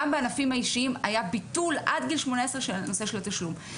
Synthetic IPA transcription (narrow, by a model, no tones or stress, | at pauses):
ambeanafimhaiʃiima̰jabitulʔadɡilʃmo̞naesʁeʃelnose̞ʃe̞lataʃlum